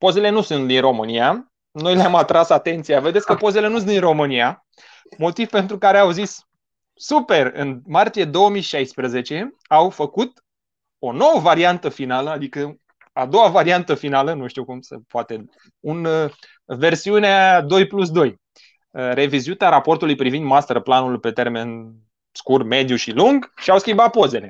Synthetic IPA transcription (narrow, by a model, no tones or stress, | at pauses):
po̞ze̞le̞nusunt̪d̪inro̞mɨnija | no̞jleamat̪ɾasat̪e̞nt̪sijave̞d̪e̞t̪sʲkəpo̞ze̞le̞nusund̪inro̞mɨnia | mo̞t̪ivpe̞nt̪ɾukaɾe̞awzis | supe̞rɨ̰nmart̪ije̞d̪o̞wəmijʃajspɾəze̞t͡ʃe̞awfəkut̪̚ | o̞no̞wəvaɾiant̪əfinaləad̪ikə | ad̪o̞wavaɾiant̪əfinalənuʃt̪ukumsḛpoat̪e̞ | un | ve̞rsiunead̪o̞jplus̬d̪o̞j | re̞vizuit̪aɾapo̞rt̪ulujpɾivind̪mast̪erplanulpe̞t̪erme̞n | skurme̞d̪juʃiluŋɡʃiawskʲimbat̪̚po̞ze̞le